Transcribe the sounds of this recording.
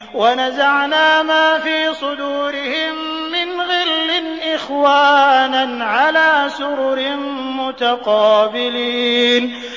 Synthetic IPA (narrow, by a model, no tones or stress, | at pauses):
wanazaʕnaːmaːfiːsˤʊd̪uːɾɪhɪmː | ɪnɣɪlːɪnʔɪxwaːnaʕalaːsʊɾʊɾɪ | mʊt̪aqɑːbɪliːn